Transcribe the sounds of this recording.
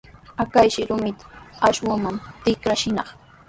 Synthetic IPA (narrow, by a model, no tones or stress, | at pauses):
akajʃɪɾʊmɪt̪ḁaʃwamant̪ɪkɾaʃɪnɑχ